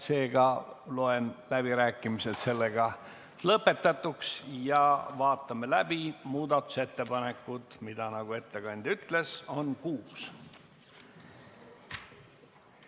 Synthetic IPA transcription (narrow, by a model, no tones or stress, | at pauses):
se̞ːɡ̥ɑloe̞nlæb̥iɾæːkːˑimiset̪se̞lːe̞ɡ̥ɑ | lɤpːˑe̞t̪ːˑɑt̪ːˑuksjɑvɑːt̪ːˑɑme̞læb̥imuːd̪ɑt̪ːˑu̥se̞t̪ːe̞pɑne̞kːˑud̪̥mid̪̥ɑnɑɡ̥ue̞t̪ːe̞ɡɑnʲd̪̥yt̪le̞so̞nkuːs